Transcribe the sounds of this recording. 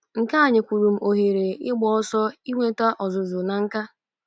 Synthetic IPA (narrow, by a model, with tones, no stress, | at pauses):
ŋ̩˨ka˦a˨ɲɪ˨kʷu˨ɾu˨m̩˦ʔo˨ɦe˨ɾe˨ɪ˦ɡ͡bɔ˨ɔ˦sɔ˦i˦ŋʷe˦ta˦ʔɔ˨zʊ˨zʊ˨na˨ŋ̩˦ka˦